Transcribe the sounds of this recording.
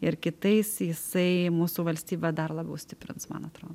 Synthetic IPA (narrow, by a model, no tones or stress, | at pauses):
ɪɾkʲɪt̪ɐɪsjɪsɐɪmuːsuːʋɐlʲsʲt̪ʲiːbʲɛd̪ɐrlˠɐbʲɛʊsʲt̪ʲɪpʲɾʲɪ̰nsmɐ̰nɐt̪ɾoːd̪o